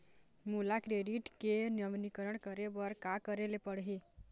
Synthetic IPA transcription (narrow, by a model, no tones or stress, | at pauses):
mulakɾeɖiʈkenjʌmnikəɾʌɳkʌɾebʌɾkakʌɾelepʌɽɦi